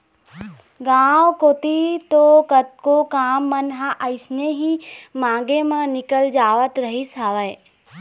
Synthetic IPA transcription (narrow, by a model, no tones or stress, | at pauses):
ɡãːʋkoːt̪it̪okət̪̚kokaːmːənɦãʔəɪsneɦimãːɡemãnɪkəld͡ʒaːʋət̪ɾəɦisɦaːʋəe